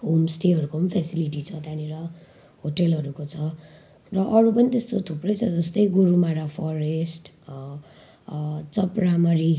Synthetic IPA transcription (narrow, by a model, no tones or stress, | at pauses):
ɦomsʈeɦʌɾukopʌnipʰesiliʈit͡sʰʌt̪aniɾʌ | ɦoʈelɦʌɾukot͡sʰʌ | rʌʔʌɾupʌnit̪est̪ot̪ʰuprʌjt͡sʰʌd͡zʌst̪ʌjɡuɾumaɾapʰʌɾesʈ | t͡sʌpramaɾi